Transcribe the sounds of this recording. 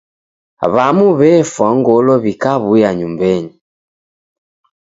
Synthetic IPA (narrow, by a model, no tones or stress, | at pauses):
βamuβɛfwaŋɡɔlɔβikaβujaɲumbɛɲi